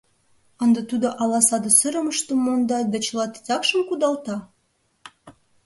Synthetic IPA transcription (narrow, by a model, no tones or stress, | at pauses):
ə̆nd̪ɑt̪ud̪oʔɑlɑsɑd̪ə̆səɾə̆məʃt̪əmːond̪ɑd̪æt͡ɕəlɑt̪i̥t̪ʲɑkʃə̆mkud̪ɑlt̪ɑ